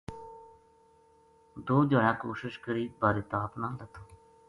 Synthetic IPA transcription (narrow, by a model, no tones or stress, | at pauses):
d̪oːd͡ʒoːãːkoːʃɪʃkəɾiːbaːɾiːt̪aːpnãːlət̪ʰoː